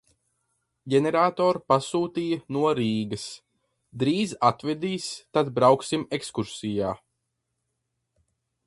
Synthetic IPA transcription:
ɟʲɛnʲɛɾaːt̪ɔːɾpasuːt̪iːjɐnuɔɾiːɡɐs | d̪ɾiːzat̪vɛd̪iːst̪ad̪bɾawksimekskuɾsijaː

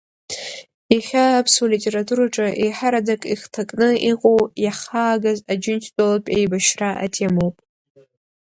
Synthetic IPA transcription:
iχʲaːpʰsulitʼe̞ɾatʰʼuɾaʈ͡ʂʼaʔejħaɾadakʼiχtʰakʼnɨiqʼowjaχaːɡazad͡ʒɪntʰt͡sʼalapʼejbaʃraʔa̰tʰemowpʼ

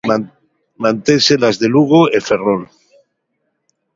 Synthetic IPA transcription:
mãnt̪enselazðeluɣoeferol

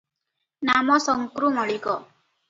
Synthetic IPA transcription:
namɔsɔŋkɾuŋɔɭikɔ

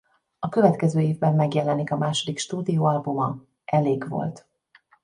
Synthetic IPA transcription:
ɒkøvɛt̪kɛzøːeːvbɛmːɛɡjɛlɛnikɒmaːʃo̞d̪ikʃt̪uːd̪ijoːɒlbumɒ | ʔɛleːɡvo̞̰lt̪

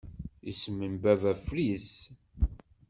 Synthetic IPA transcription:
ḭsmənbævæfɾis

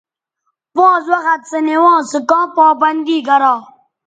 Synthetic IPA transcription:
ʋɑ̃ːzwɐɣɐt̪sənewɑ̃ːsɨkãːpaːbɐnd̪iːɡɐɾɑː

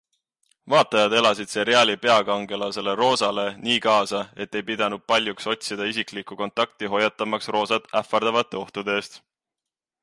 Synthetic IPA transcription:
vɑːt̪ːˑɑjɑd̪e̞lɑsid̪̥se̞ɾeɑːlipe̞ɑkɑŋɡe̞lɑse̞le̞ro̞ːsɑle̞niːkɑːsɑe̞t̪ːe̞jpid̪̥ɑnud̪̥̚pɑlʲjukso̞t̪̚ʲsid̪̥ɑisiklikːˑuko̞nt̪ːˑɑk̚t̪iɦo̞jɑt̪ːˑɑmɑksro̞ːsɑt̪ˑæfːˑɑrd̪̥ɑvɑt̪ːˑe̞o̞ht̪ud̪eeːst̪

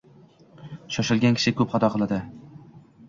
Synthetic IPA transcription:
ʃɒʃɪlˠɡʲankʰʲɪ̥ʃɪkʰɵpχɑt̪ʰɒqʰɨlˠad̪ɪ

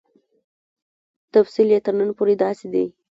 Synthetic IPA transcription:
t̪afsiljet̪əɾnənpoɾed̪ɑsed̪i

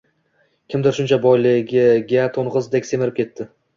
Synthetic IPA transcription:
kʲʰɪmd̪ɪɾʃʊnt͡ʃʰabɒjlɪɡʲɪɡʲat̪ʰonʁɨzd̪ekʲse̞mɪɾɪp̚kʰʲe̞t̪ʰːɪ

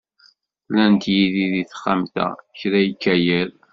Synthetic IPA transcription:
lænt̪jiðiðiθχamt̪æ̰çɾæjəkːæjəɾ

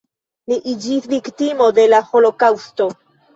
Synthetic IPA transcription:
liʔid͡ʒisviktimo̞de̞laholo̞kawsto̞

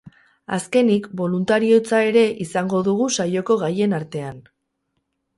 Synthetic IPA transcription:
aske̞nikbo̞lunt̪aɾio̞t͡sae̞ɾe̞ʔisaŋɡo̞ðuɣ̞usajo̞ko̞ɣaje̞naɾt̪e̞an

